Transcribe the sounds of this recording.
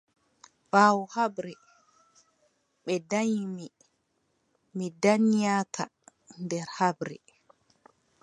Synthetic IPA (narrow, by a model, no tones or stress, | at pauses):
faːwuhabɾɛ | ɓɛdajmi | midanijaːtʰa | ndɛɾhabɾɛ̰